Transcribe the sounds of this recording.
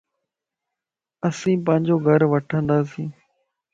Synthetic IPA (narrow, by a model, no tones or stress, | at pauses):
əsĩːpə̃ɦɪ̃ɲd͡ʒoːɡʱəɾʋəʈʰə̃nd̪aːs̬ĩː